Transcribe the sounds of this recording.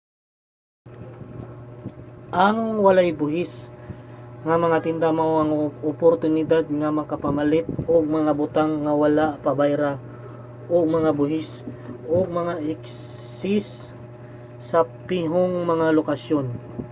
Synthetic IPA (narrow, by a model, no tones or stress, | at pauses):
ʔɐŋwɐlajbʊɦɪs | ŋɐmɐŋat̪ɪnd̪amaoʔɐŋʔʊpoɾt̪ʊnɪd̪ad̪̚ŋɐmɐkɐpamɐlɪt̪̚oɡ̚mɐŋabʊt̪aŋːɐwɐlaʔpɐbajɾa | ʔoɡmɐŋabʊɦɪsʔoɡ̚mɐŋaʔɪksː | ɪs | ɐpɪɦoŋmɐŋalokasjon